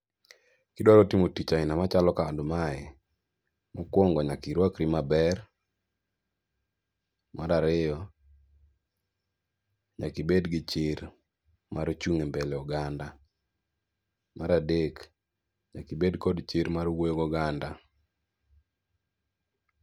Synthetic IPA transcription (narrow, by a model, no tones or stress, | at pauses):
kɪdɔɾɔtimotit͡ʃaɪnamat͡ʃalɔkadʊmaɛ | mɔkwɔŋɡɔɲakiɾwakɾimabɛr | maɾaɾɪjɔ | ɲakɪbedɡɪt͡ʃɪr | maɾt͡ʃuŋembɛlɛɔɡanda | maɾadek | ɲakibedkɔdt͡ʃɪɾmaɾwojoɡɔɡanda